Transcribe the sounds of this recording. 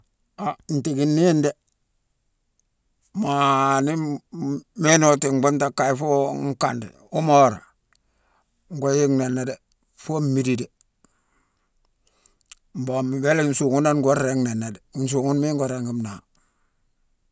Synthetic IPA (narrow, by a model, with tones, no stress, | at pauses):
a˨n̩˨ti˨ɡi˨nːi˦nde˦ | mani˦ | me˦no˨ti˨ŋbo˦nta˦kːa˨ifo˦ŋ˦ka̰˨ndḛ | u˦mo˦˨ɾa̰˨ | ŋɡo˦ji˦ŋne˨nːe˨de˨ | fo˦mmi˨di˨de | mbo˨mwe˦le˦nsu˨ŋu˦na˦nŋɡo˦e˦ŋne˨nːe˨de˨nsu˨ŋu˦nmi˦ŋɡo˨ɾe˨ŋɡi˦mna˨